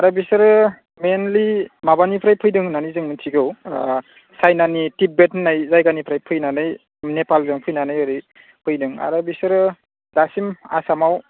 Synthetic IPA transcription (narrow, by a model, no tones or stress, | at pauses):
aɾɯbisɯɾɯ | menlimabanipʰɾajpʰɯjdɯŋnanizɯŋnɯntʰiɡɯw | sajnanitip̚bet̚najzajɡanipʰɾajpʰɯjnanɯj | nepalzɯŋpʰɯjnanɯjɯɾi | pʰɯjdɯŋa̰ɾɯbisɯɾɯ | dasima̰samaw